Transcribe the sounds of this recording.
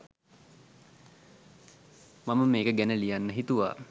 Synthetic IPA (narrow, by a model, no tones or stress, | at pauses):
maməmeːkəɡænəlijanːəɦit̪uʋa̰ː